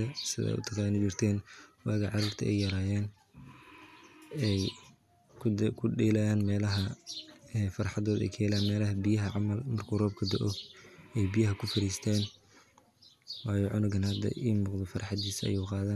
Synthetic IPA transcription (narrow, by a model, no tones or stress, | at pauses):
ɐsɪðɛ̰ʊ̰t̪ʰɐqaːnɪt͡ʃɪrt̪ʰɛːnwɑːɣɐʕɑɾʊːrt̪ʰɐʔɛjːɐɾaːjɛːn | kʰʊɖɛːlɐaːnmɛːlɐɦɐ | ɛfɐrħɑðɔːd̪ɛ̰jkʰɛjɛlaːnmɛːlɐɦɐbɪjɐɦɐʕɑmɐlmɐrkʰʊrɔːb̚kʰɐd̪ɔʔɔɛjbɪjɐɦɐkʰʊfɐɾiːst̪ʰɛːn | wɑːjɔʕʊnʊɡɐnhɐd̪ɐ̰ʔiːmʊːqd̪ɔfɑɾrħɑd̪iːsɐ̰juːqɑːðaːn